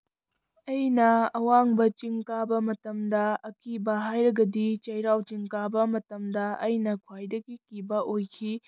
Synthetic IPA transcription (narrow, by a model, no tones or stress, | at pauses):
ɐjnɐɐwaŋbɐt͡ʃiŋkabɐmɐtɐmdɐɐkibɐɦajɾɐɡɐdit͡ʃɐjɾawt͡ʃiŋkabɐmɐtɐmdɐɐjnɐkʰwajdɐɡikibɐʔojkʰi